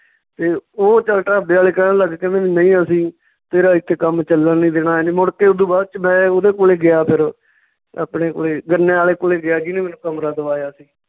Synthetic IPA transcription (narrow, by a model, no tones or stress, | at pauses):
t̪eːoːt͡ʃəlʈaːəbeːaːleːkənːləɡkẽːnẽːʋinə̃ĩːəsĩː | t̪eːɾaːɪt̪ʰːeːkəmt͡ʃəlːənĩːd̪eːnaːɛːnemʊɽkeːʊd̪ũːbaːdt͡ʃəmɛ̃ːod̪eːkoːleːɡɪaːpʰɪɾ | aːpɳeːko̰ːleːɡənːeːaːleːkoːleːɡɪaːɡiːniːmɛːnũːkəmɾaːd̪əʋaːjaːəsĩː